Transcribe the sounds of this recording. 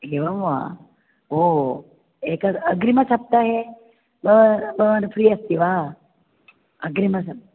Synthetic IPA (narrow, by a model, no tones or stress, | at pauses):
ɦeʋɐʋʋa̰ | o | ekaɐɡɾimɐsɐp̚t̪aɦe | bɐʋbɐʋanfɾiːɐst̪iʋa | ɐɡɾimɐsɐp̚